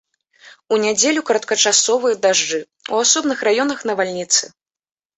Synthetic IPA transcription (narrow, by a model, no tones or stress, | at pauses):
unʲad͡zʲelʲukɐɾɐt̪kɐt͡ʂasɔvɨjɐd̪aʐd͡ʐɨ | uasɔbnɨxrajɔnɐxn̪ɐvalʲnʲit̪sɨ